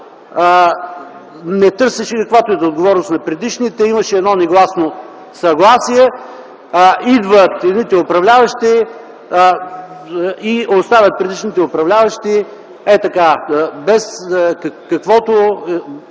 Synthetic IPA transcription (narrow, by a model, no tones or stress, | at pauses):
nɛt̪ɤɾsɛʃɛkɐkvat̪oɛt̪ɛod̪ɡovɔɾnost̪nɐpɾɛd̪iʃnit̪ɛimɐʃɛːd̪nɔnɛɡlˠasno | sɐɡlˠasijɛ | id̪vət̪ɛd̪nit̪ɛopɾɐvlʲavɐʃt̪i | iost̪avʲɐt̪̚pɾɛd̪iʃnit̪ɛopɾɐvlʲavɐʃt̪i | ɛt̪ɐkabɛskkɐkvɔt̪o